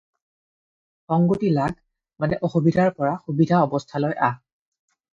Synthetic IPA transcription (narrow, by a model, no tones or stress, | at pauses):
xɔŋɡotilaɡ | manɛʔɔxubidʱaɹpɔɹaxubidʱaɔbɔstʰalɔjʔa